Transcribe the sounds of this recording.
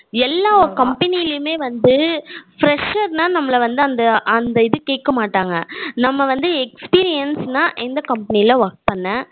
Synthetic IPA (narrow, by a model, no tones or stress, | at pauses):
ɛlːaːɔɾkɐmpɐnɪjɪlɪjɯmeːʋɐnd̪ɯfɾɛʂɐɾnaːnɐmːɐlɐʋɐnd̪ɯɐnd̪ɐʔɐnd̪ɐɪðɯkeːkːɐmaːʈːaːŋɡɐnɐmːɐʋɐnd̪ɯɛkspiːɾɪjɐnsnaːʔɪnd̪ɐkɐmpɐnɪlɐʋɔɾk̚pɐnːɛ̃